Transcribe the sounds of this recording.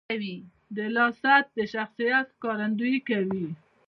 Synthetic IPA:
wi | d̪əlɑsat̪̚d̪əʃaxsijat̪kɑɾand̪ujikawi

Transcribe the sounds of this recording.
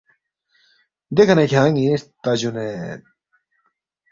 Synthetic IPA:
d̪ekʰanekʰʲãːŋit̪ad͡ʑune

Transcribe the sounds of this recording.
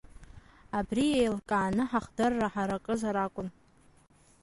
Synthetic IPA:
abriejlkʼaːnɨħaχdɨrːaħaɾakʼɨzaɾakʷʼʊn

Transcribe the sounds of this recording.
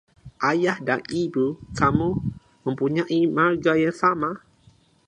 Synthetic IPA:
ʔajahdaŋibukamu | mə̃mpuɲaʔimard͡ʒajaŋsama

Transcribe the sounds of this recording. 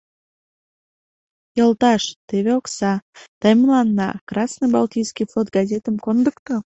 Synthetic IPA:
jəlt̪ɑʃt̪eβeoksɑt̪əjməlɑnːɑ̰krɑsnəjbɑltʲijskijflot̪̚ɡɑzʲet̪əmkond̪əkt̪ə

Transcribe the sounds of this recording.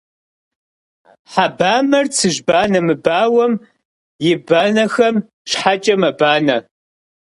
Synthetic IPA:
ħabaːmɐrt͡sʰɨʒbaːnɐmɨbaːwɐm | jɪbaːnɐxɐm | ɕħat͡ʃʼɐmɐbaːnɐ

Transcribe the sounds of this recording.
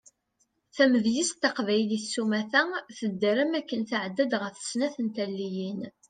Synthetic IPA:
θæməðjist̪ːɑqvæjlisːumæθæθəd̪ːəɾəmækːənθaʕəd̪ːæd̪ʁəɾθə̥snæθənt̪ælːijin

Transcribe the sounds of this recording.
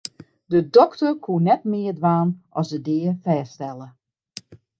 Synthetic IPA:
dədɔktərkʰuənɛtmɪərdʋaːnʔɔsdədɪːəfɛːstɛlˠə

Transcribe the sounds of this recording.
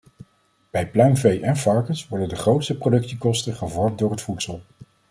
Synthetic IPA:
b̥ɛjplœɥnvejʔɛnfɑɹkənsʋɔɹdəndəχrowtstəprodɵksikɔstəχəvɔɹmt̚dʊːɹɦətfutsəlˠ

